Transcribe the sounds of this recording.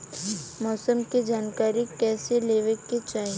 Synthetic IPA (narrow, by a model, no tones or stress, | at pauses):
mɔːsəmked͡ʒaːnkaːɾikɛːseleːʋekːet͡ʃaːɦi